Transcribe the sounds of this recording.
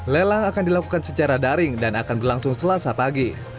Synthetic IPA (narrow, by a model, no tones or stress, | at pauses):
lelaŋakandilakukansət͡ʃaɾadaɾɪŋdanakanbərlaŋsʊŋsəlasapaɡi